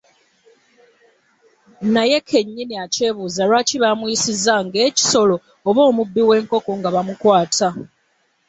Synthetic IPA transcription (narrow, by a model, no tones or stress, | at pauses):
naje̞kʰe̞ɲːiniace̞ːβuːzaɾwaːciβamujisizaŋɡe̞ːci̥so̞lo̞ː | βo̞ːmubːiwe̞ːŋko̞ko̞ŋɡaβamukwaːtʰa